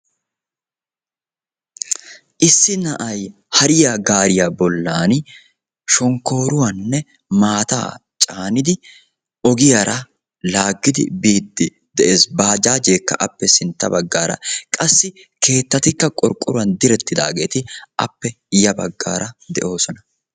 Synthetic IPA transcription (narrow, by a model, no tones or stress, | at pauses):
ʔɪsːɪnɐʔɐj | hɐɾɪjaɡaːɾɪjabɔlːaːn | ʃɔŋkːo̞ːɾʊwɐnːɛ | maːt̪a̰ːt͡ʃʼaːnɪd̪ɪ | ɔɡɪjaɾɐ | laːɡːɪd̪ɪ̰biːd̪ːɪ | d̪̥ɛʔeːsbaːd͡ʒaːd͡ʒe̞ːkːɐ̰ʔɐpːɛsɪnt̪ːɐbɐɡːaːɾɐ̰kʼɐsːɪ | kʰe̞ːt̪ːɐt̪ɪkːɐkʼɔɾkʼːʊɾʊɐnd̪ɪɾɛt̪ːɪd̪a̰ːɡeːt̪ɪʔɐ̰pːɛ | jɐbɐɡːa̰ːɾɐd̪ɛ̰ʔo̞ːsɔnɐ